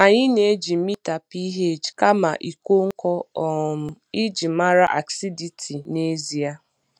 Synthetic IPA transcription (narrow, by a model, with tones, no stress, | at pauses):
a˨ɲɪ˦ne˨˦d͡ʒi˨˦mi˦ta˨pi˦ɦe˦˨d͡ʒka˦ma̰˨ʔi˨ko˦ŋ̩˦kɔ˦ɔ˨m̩˨i˦d͡ʒi˨˦ma˦ɾa˦ʔa̰˨ksi˦di˨tʰi˨ne˦zi˨a˦